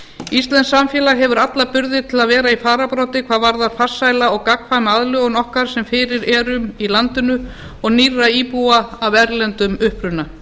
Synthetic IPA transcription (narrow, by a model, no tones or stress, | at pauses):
ist̪lɛnsːamfjɛːlaɦɛvʏɾat̪lapʏɾðɪt̪ʰɪlaðvɛːɾaifaːɾapɾɔwt̪ɪkʰvaːðvaɾðaɾ̥far̥sajlaɔɣkakfanaðlʏɔɣnɔhkaɾ̥sɛmfɪːɾɪɾɛːɾʏmilant̪ɪnʏ | ɔɣnirːaiːpuaavɛɾlɛnt̪ʏmʏhpɾʏna